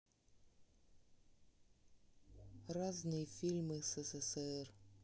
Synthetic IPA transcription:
raznɨjəfʲilʲmɨsɛsɛsɛr

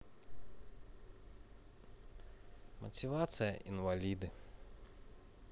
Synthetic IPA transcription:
mɐ̰tʲɪʋat̪sɨjɐ̰ʔinʋɐlʲid̪ɨ

